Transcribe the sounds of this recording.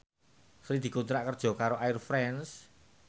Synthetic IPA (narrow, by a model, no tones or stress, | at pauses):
sɾid̪̥i̤kont̪ɾaʔkərd̥ʒ̥ɔ̤kaɾoʔaɪrfɾɛns